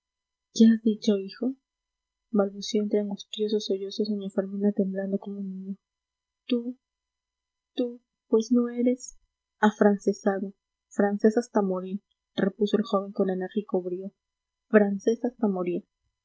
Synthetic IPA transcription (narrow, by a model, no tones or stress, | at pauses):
keazðit͡ʃo̞ixo̞ | balβusjoent̪ɾeaŋɡust̪jo̞s̬osoʝo̞soseɲofeɾminat̪e̞mbland̪okomounːĩɲo | t̪u | t̪u | pwe̞sno̞e̞ɾe̞s | afɾansesano | fɾanse̞sast̪amoɾi | repuso̞elxo̞βe̞ŋkoneneɾxikoβɾjo̞ | fɾanse̞sast̪amoɾiɾ